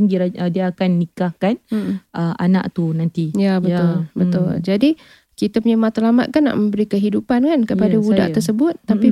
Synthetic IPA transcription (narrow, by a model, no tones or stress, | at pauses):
ŋɡiɾaədiaːkanːikahkanʔəʔa̰na̰ʔt̪unant̪ijabəʊlbət̪ʊ̰ld͡ʒadi | kit̪apuɲamat̪alama̰t̪̚kanːa̰ʔməmbəɾikəɦidupankankəpadawuda̰ʔ̪ərsəbʊt̪̚ːapi